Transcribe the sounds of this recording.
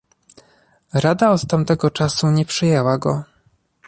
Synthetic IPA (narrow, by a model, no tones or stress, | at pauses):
ɾad̪aɔt̪t̪amt̪ɛɡɔt͡ʂasuɲɛpʂɘjɛwaɡɔ